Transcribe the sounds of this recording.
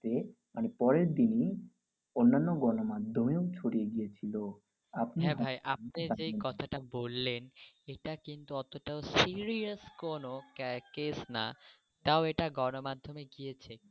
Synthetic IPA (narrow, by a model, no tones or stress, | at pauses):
t̪e | manepɔɾeɾd̪ini | onːanːoɡɔnomad̪ʱːomeot͡ɕʰoɽieɡijet͡ɕʰilo | apniɦɛ̃bajʔap̚ned͡ʑekɔt̪ʰaʈabolːen | eʈakint̪uɔt̪oʈaosiɾiaskonokkesna̰ | t̪aoeʈaɡɔnomad̪ʱːomeɡijet͡ɕʰe